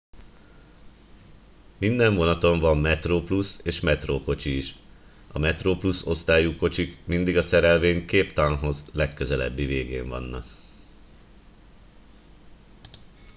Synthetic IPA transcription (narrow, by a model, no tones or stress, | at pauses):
mind̪ɛɱvo̞nɒt̪o̞ɱvɒmːɛt̪roːpluseːʃmɛt̪roːko̞t͡ʃiːʃ | ʔɒmɛt̪roːpluso̞st̪aːjuko̞t͡ʃikmind̪iɡɒsɛɾɛlveːɲkeːpt̪ɒnɦo̞zlɛkːøzɛlɛ̰bːiveːɡḛːɱvɒ̰nːɒ̰k